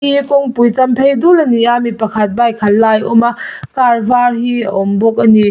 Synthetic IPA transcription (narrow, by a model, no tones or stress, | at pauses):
ikoŋpujt͡ʃampʰejdulɐniamipɐkʰat̚bajkʰalːajomakaɾbaɾhiɔmbɔk̚ɐni